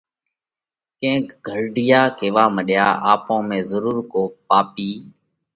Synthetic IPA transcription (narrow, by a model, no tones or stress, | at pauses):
kẽːkɡʱəɽɖɪjaːkeːʋaːməɗjaːʔa̰ːpõːmẽːzəɾuːɾkoːpaːpiː